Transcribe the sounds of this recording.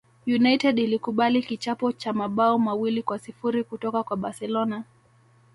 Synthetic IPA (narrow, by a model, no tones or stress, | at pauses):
junajtɛɗilikuɓalikit͡ʃapɔt͡ʃamaɓaɔmawilikwasifuɾikutɔkakwaɓaɾsɛlɔna